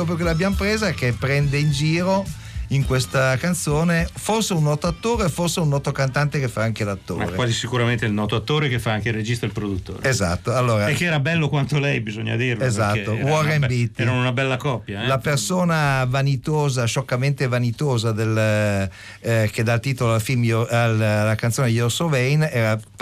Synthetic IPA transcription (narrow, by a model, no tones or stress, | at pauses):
ɾɔːp̬ɾjok̬elabjamopɾeːzakepːɾɛnd̪eind͡ʒiːɾo | iŋkwest̪akant̪soːneforseunːɔːt̪oat̪ːoːɾeoforseunːɔːt̪okant̪ant̪ekefːaaŋkelat̪ːo̰ːɾewazisikuɾament̪eilnɔːt̪oat̪ːoːɾekefːaaŋkeired͡ʒist̪ailpɾod̪ut̪ːo̰ːɾeza̰t̪ːoalːoːɾaekːeɛːɾabɛlːokwant̪olɛjbizoɲːa̰d̪irezat̪ːowɔrembit̪ːɛɾanunabɛlːakɔpːjalapersoːnavanit̪oːzaʃɔkːament̪evanit̪oːzad̪el | ked̪alt̪iːt̪oloalfilmjallːakant̪soːnejɔrsovɛjnɛːɾa